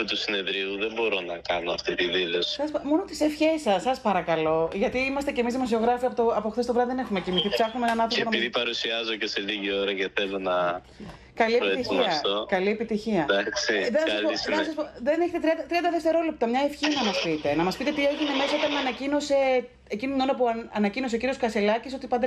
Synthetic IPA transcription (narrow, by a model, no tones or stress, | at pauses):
t̪usine̞ðɾiuðembo̞ɾo̞nɐkɐnoɐ̰ft̪it̪iðilosi̥sɐsmo̞not̪isefçe̞sɐsːɐspɐɾɐkɐlo̞ʝɐt̪iimɐst̪e̞cemizðimo̞sio̞ɣɾɐfiɐpot̪oɐpoxθest̪vɾɐðiðene̞xumecimiθipsɐxnumeenɐnɐnθɾopeonɐmpiðipɐɾusiɐzocese̞liʝio̞ɾɐceθelo̞nɐ | kɐlieit̪isiɐft̪okɐlie̞pit̪içiɐd̪ɐksiðenɐsɐspoenɐs̬ɐspoðeneçet̪et̪ɾiɐnd̪ɐt̪ɾiɐnd̪ɐðe̞ft̪e̞ɾo̞lep̚t̪ɐmɲɐefçinɐmɐspit̪e̞nɐmɐspit̪e̞t̪ieʝineme̞sɐot̪ɐnmɐnɐcino̞se̞ː | cinit̪inonɐpuɐɐnɐcinos̬ociɾioskɐselɐciso̞t̪ipɐnd̪e